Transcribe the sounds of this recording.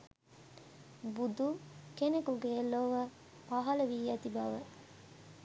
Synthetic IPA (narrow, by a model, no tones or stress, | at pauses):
bud̪ukenekuɡeːlːoʋɐ | pɐɦɐlɐʋiːjɐt̪ibɐʋɐ